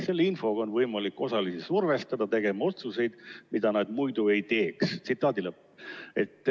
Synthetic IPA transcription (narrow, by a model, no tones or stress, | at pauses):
se̞lːinfo̞ɡɑo̞nvɤjmɑlikːˑo̞sɑlisisurve̞st̪ɑd̪̥ɑt̪e̞ɡ̥e̞mɑo̞t̪suse̞jd̪̥mid̪̥ɑnɑd̪mujd̪̥ue̞jt̪e̞ːkst̪sit̪ːˑɑːd̪ilɤpː | e̞t̪ːˑ